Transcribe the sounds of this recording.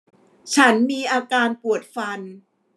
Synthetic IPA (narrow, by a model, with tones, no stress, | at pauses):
t͡ɕʰa˦˥nmiː˧ʔaː˧kaː˧npu˨˩ət̪̚fa˧n